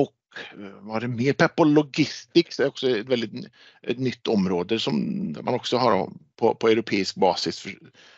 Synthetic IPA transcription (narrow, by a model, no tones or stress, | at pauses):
ɔk | vaɖɛmeːɾpʰɛpːʊlʊɡɪst̪ɪksɛɾɔksɔɛt̪vɛld̪ɪt̪ | ʔɛt̪nʏt̪ʰːɔmɾoːd̪əsɔmd̪æ̰ɾma̰nɔksɔɦɑɾɔ̰pʰɔpʰɔœʉɾʊpʰeːɪsk̚bɑːsɪsfœ